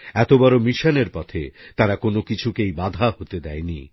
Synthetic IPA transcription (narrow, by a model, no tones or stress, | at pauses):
ɛt̪obɔɾomiʃaneɾpɔt̪ʰḛt̪aɾakonokit͡ɕʰukejbad̪ʱahot̪ed̪ɛenḭ